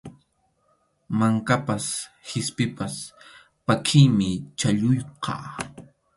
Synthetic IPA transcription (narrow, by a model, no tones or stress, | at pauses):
maŋkapashɪspɪpas | pakʰɪjmɪt͡ʃaʎʊjqʰɑ̰ː